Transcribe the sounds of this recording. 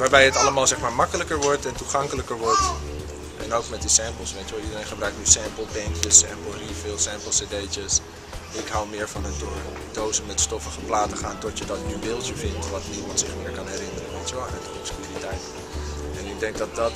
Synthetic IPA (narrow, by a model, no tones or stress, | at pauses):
ʋaːɹbɛjɦətɑləmaːlˠzɛχmaːɹmɑkələkəɹʋɔɹtɛntuχɑŋkələkəɹʋɔɹt | ʔɛnowkmɛt̚disɛmpəl̩ˠsʋejtəʋɛlˠidəɾejnχəbrœɥk̚nysɛmpəlˠbɛŋkjəsɛːmpəl̩ˠrifɪːlˠsɛːmpəl̩ˠsedejt͡ʃəs | ɪkɦawmɪːɹvɑnəndʊɹ | dowzəmɛtstɔfəχəplaːtəχaːntɔtjədɑtnybɪlˠtəvɪntʋɑtnimɑntsɪχmɪːɹkɑnɦɛɾɪnəɾənʋejtjəʋɛlˠanədəɔskyritɛjt | ɛnɪɡ̚dɛŋk̚dɑt̚dɑt